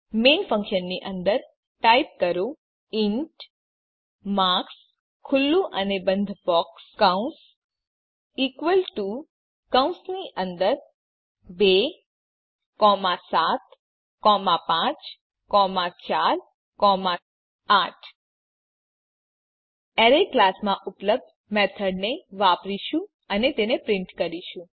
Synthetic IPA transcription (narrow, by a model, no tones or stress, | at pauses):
meːnfə̃ŋkʃənːiʔə̃nd̪əɾ | ʈaip̚kəɾo | ɪɳʈ | maks | kʰːʊlːuʔənebənd̪ʱbɔkskaũns | ikʋəlʈu | kãũnsniʔə̃nd̪əɾ | be | kɔmãsat̪ | kɔmãpãt͡ʃ | kɔmãt͡ʃal | kɔmã | aʈʰ | eɾeklasmãʔʊpləb̚d̪ | mɛt̪ʰəɽneʋapɾiʃũ | ənet̪enepɾɪ̃ɳʈkəɾiʃũ